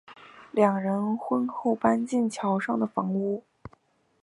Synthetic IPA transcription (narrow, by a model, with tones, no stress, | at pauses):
ljɑ˨˩ŋɻə˧˥nxwə˥nxo˥˩ʊpa˥nt͡ɕi˥˩nt͡ɕʰjɑ˧˥ʊʂɑ˥˩ŋd̪ə˩fɑ˧˥ŋu˥˩